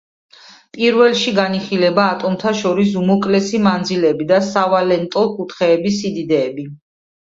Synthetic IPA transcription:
pʼiɾvɛlˠʃiɡaniχilɛbaːt̪ʼɔmt̪ʰaʃɔɾisumɔkʼlɛsimand̪zilɛbid̪asavalɛnt̪ʼɔkʼut̪ʰχɛːbisid̪id̪ɛːbi

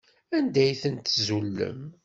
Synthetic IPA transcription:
ænd̪æjθənt̪zulːə̰m

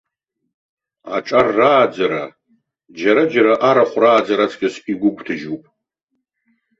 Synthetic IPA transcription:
a̰ʈ͡ʂʼarːaːd͡zaɾa | d͡ʒaɾad͡ʒaɾaʔaɾaχʷraːd͡zaɾat͡sʰʼkʲʼaspʼiɡʷʊɡʷʰʼtʰɨʒupʼ

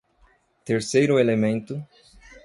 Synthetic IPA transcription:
t̪eɾsejɾʊelemẽnt̪ʊ

